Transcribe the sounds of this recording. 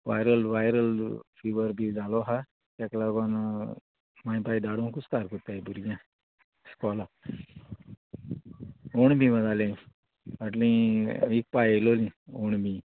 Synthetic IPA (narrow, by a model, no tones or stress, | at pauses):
ʋajɾəlʋajɾəlfiʋəɾbʱid͡zalɔɦa | t̪aklaɡɔna | maj̃pajd̪aɽõkust̪aɾkot̪aibuɾɡjã | skɔla | oɳbʱĩmə̃d͡zalẽ | aʈlĩik̚pajlolĩoɳbʱĩ